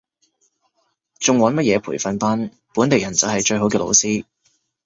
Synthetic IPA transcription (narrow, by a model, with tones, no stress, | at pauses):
t͡sʊ˨ŋwɔː˨˥nmɐ˥t̚jɛː˨˧pʰuː˨˩jfɐ˨˧npa˥n | puː˨˥nt̪e˨jɐ˨˩nt͡sɐ˨whɐ˨jt͡ʃɵ˧ɥhɦo˨˥wkɛː˧lo̰˧wsiː˥